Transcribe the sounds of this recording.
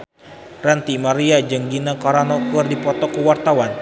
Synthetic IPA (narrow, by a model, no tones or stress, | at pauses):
rant̪imaɾiad͡ʒəŋɡinakaɾanɔkərdipɔt̪ɔkəwart̪awan